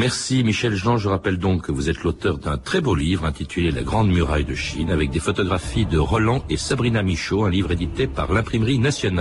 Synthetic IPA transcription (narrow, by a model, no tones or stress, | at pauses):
mɛʁsimiʃɛlʒɑ̃ʒəʁapɛld̪ɔ̃kːəvuzɛt̪lot̪œʁd̪ɛ̃t̪χɛbolivʁɛ̃t̪it̪ʰylela̰ɡʁɑ̃d̪myʁa̰jd̪əʃḭnavɛk̚d̪efɔt̪ɔɡʁafid̪əʁɔlɑ̃esabʁinamiʃoɛ̃livʁed̪it̪epa̰ʁlɛ̃pχimʁinasjɔna